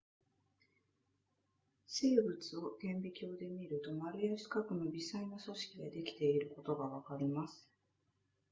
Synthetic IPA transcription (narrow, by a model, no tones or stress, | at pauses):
se̞ːbɯ̟t͡sɨo̞ɡẽ̞mbʲikʲo̞ːd̪e̞mʲiɾɯ̟t̪o̞maɾʲɯ̟jaɕi̥kakɯ̟no̞bʲisainoso̞ɕi̥kʲiɡ̪ed̪e̞kʲi̥t̪e̞iɾɯ̟ko̞t̪o̞ɡaβakaɾʲimasɨ̥